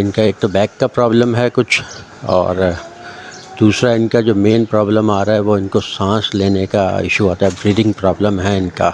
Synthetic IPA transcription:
ɪnkaeːk̚t̪obɛːkːapɾaːbləmɦɛkʊt͡ʃʰ | ɔ̰ːɾ | d̪̥uːsɾaɪnkad͡ʒoːmeːnpɾaːbləmaːɾaɦɛʋoɪnkosãːsleːnekaɪ̰ʃuaːt̪aɦɛbɾiːɖɪ̃ŋɡ̚pɾaːbləmɦɛɪnka̰ː

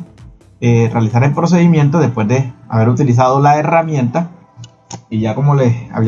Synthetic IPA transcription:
erealisaɾe̞lpɾo̞s̬e̞ðimje̞nt̪̬o̞ðe̞spwe̞zðe̞a̰βe̞ɾut̪ilis̬að̞o̞laeramjẽ̞nt̪a | iʝako̞mo̞lea̰βi

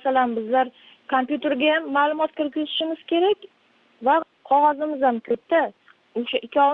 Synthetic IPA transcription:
salanbɪzlaɾ | kʰompjut̪e̞ɾɡʲajamːaːlˠʊmɒt̪̚kʲʰeɾkʲɪzɪʃɪmɪz̥kʲʰe̞ɾakʲ | va | qʰɒʁɒzɪmɪzamkʲʰɵt̪̚t̪ːa | oʃaʔɪkʲʰːɒ

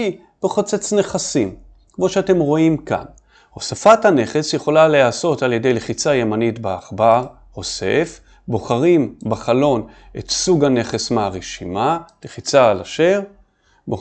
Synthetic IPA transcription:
i | b̥eχot͡set͡sne̞χasim | kmo̞ʃeate̞mʁo̞imka̰n | ho̞safathane̞χe̞sjeχo̞laleaso̞talje̞de̞jleχit͡sajemanitbeaχbaʁ | ho̞se̞f | bo̞χaʁimbaχalo̞n | et̪suɡane̞χe̞smeaʁeʃimaleχit͡saːlaʃe̞ʁ | bo

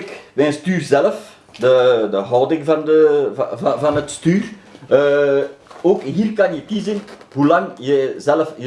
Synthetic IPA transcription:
kbɛənstyːrzɛləf | dədəɦɔːdɪŋvɑndəvvɑnətstyːr | oːkɦiːrkɑnjəkizənhulɑŋjəzɛləfə

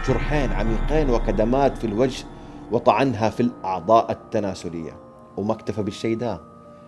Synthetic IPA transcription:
ʃʊɾˤħeːnʕa̰miːqeːnwɪqad̪amaːt̪filwad͡ʒhwɨt̪ˤɑʕanɦafilʔɑʕd̪ˤɑːʔat̪ːanaːsʊlɪ̰jːa̰ | wmakt̪afabɪʃːeːd̪aː

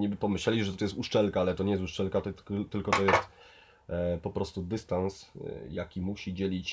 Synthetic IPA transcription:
ɲɛbɘpɔmɘɕlɛlʲiʐɛt̪ɔjɛst̪uʂt͡ʂɛlkaalɛt̪ɔɲɛjɛst̪uʂt͡ʂɛlkat̪ɔt̪ɘlkɔt̪ɔjɛst̪ | pɔpɾɔst̪ud̪ɘst̪ansjakʲimuɕid͡ʑelʲit͡ɕ

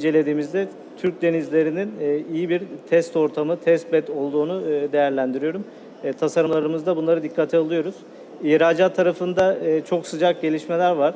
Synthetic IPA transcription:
ind͡ʒe̞lʲe̞d̪iːmizd̪ɛ | t̪ʰyɾc̚d̪e̞nizlʲe̞ɾininːijibiɾt̪ʰɛst̪o̞ɾt̪ʰamɯt̪ʰɛst̪̚bɛt̪ʰo̞lˠd̪uːnud̪e̞jæɾlʲænd̪iɾijo̞ɾumː | t̪ʰasaɾɯmlˠaɾɯmɯzd̪abunlˠaɾɯd̪ikʰːat̪ʰialˠɯjo̞ɾuz̥ | iːɾaːd͡ʒat̪ʰːaɾafɯnd̪at͡ʃʰo̞ksɯd͡ʒak̚ɟe̞lʲiʃme̞lʲæɾvaɾ̥

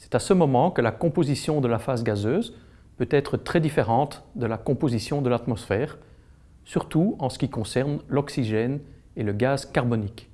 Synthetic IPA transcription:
sɛ̥t̪asəmɔmɑ̃kəlakɔ̃pozisjɔ̃d̪əlafasɡazøːz | pøt̪ɛt̪χət̪χɛd̪ifeʁɑ̃t̪d̪əlakɔ̃pozisjɔ̃d̪əlat̪mɔsfɛːʁ | syʁt̪uɑ̃sə̥kʲikɔ̃sɛʁnlɔksiʒɛn | eləɡazkaʁbɔnik

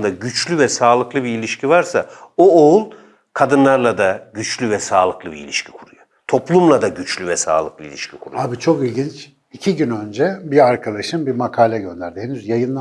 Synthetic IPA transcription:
nd̪aɟyt͡ʃlʲyvɛsaːlˠɯklˠɯbiilʲiʃcʰivaɾsa̰ooulˠ | kʰad̪ɯnlˠaɾlˠad̪aɟyt͡ʃlʲyvɛsaːlˠɯklˠɯbḭḭlʲiʃcʰi̥kʰuɾujo | t̪ʰo̞plˠumlˠad̪aɟyt͡ʃlʲyvɛsa̰ːlˠɯklˠɯilʲḭʃcʰikʰuɾṵabit͡ʃʰo̞kilʲɟint͡ʃ | icʰiɟynø̞nd͡ʒɛbiaɾkʰad̪aʃɯmbimakʰaːlʲɛɟø̞nd̪æɾd̪ɪhɛnyzjajɯnlˠa

